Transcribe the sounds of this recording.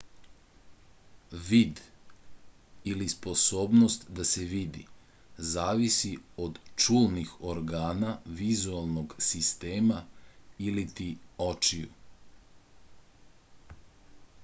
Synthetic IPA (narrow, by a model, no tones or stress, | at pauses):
ʋiːd̪ | ilispo̞soːbnost̪d̪aseʋid̪ḭ | zaːʋisiod̪t͡ʃuːlˠnixoɾɡaːnaʋizualˠno̞ɡsist̪eːmailit̪iot͡ʃijṵ